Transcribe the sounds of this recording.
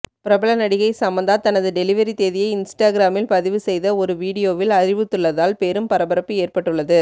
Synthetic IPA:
pɪɾɐbɐlɐnɐɽɪɣɐɪsɐmbɐnd̪aːt̪ɐnɐðɯɖɛlɪʋɐɾit̪eːðɪjɐɪɪnsʈaːɡɪɾaːmɪlpɐðɪʋɯsɛjðɐɔɾɯʋiːɽɪjoːʋɪlɐɾɪʋɯt̪ːɯɭːɐðaːlpeːɾɯmpɐɾɐbɐɾɐpːɯeːrpɐʈːɯɭːɐðɯ

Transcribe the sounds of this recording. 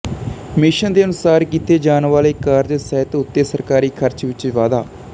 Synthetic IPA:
mɪʃənd̪eːənʊsaːɾkiːt̪eːd͡ʒaːnʋaːleːkaːɾd͡ʒsɛːt̪ʊt̪ːeːsəɾkaːɾiːkʰəɾt͡ʃʋɪt͡ʃʋaːd̪aː

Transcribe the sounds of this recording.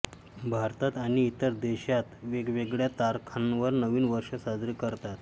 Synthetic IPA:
bʱaɾt̪at̪aɽ̃iːt̪əɾd̪eɕat̪ʋeɡʋeɡɭjat̪aɾkʰanʋəɾnəʋiːnʋəɾʂəsad͡zɾiːkəɾt̪at̪

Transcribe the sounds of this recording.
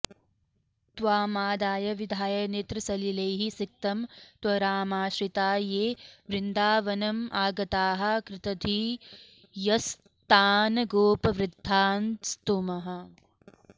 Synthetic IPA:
t̪ʋaːmaːd̪aːjɐʋid̪ʱaːjɐneːt̪ɾɐsɐlileːɦisik̚t̪ɐmt̪ʋɐɾaːmaːʃɾit̪aːjeːʋɾɪnd̪aːʋɐnɐmʔaːɡɐt̪aːɦɐ̆kɾɪt̪ɐd̪ʱi | jɐs | t̪aːnɡoːpɐʋɾɪd̪ʱːaːnst̪umɐɦɐ̆

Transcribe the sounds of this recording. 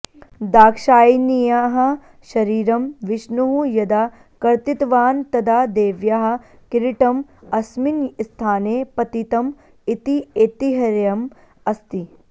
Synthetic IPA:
d̪aːkʃaːjnijaːɦɐ̆ | ʃɐɾiːɾɐmʋɪʃnuɦujɐd̪aː | kɐɾt̪it̪ʋaːnt̪ɐd̪aːd̪eːʋjaɦɐ̆ | kiɾiʈɐmɐsminst̪ʰaːneːpɐt̪it̪ɐm | it̪ieːt̪iɦɐɾjɐm | ɐst̪i

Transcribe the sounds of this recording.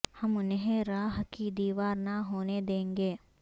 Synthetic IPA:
hɐmʊnɦẽɾaːɦkid̪iːʋaːɾnaɦoːned̪ẽːŋɡeː

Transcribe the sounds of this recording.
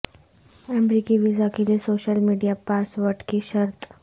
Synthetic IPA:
ɛmbɾikiʋizakilisoɕəlmiɖijapasʋəʈkiʃəɾt̪

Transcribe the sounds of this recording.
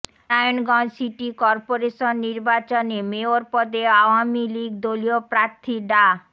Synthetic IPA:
ajonɡɔnsiʈikɔɾpoɾeʃonːiɾbat͡ɕonemeoɾpɔd̪eawamiliɡ̚d̪oliopɾaɾt̪ʰiɖa

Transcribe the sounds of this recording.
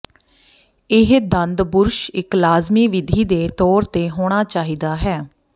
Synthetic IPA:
ɪɦd̪ənd̪bʊɾʃɪklaːzmiːʋɪd̪ʱiːd̪eːt̪ɔːɾt̪eːɦoːɽ̃aːt͡ʃaːɦiːd̪aːɦɛː

